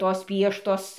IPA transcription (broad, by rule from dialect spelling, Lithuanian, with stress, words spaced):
ˈtoːs ˈpʲiɛʃtoːs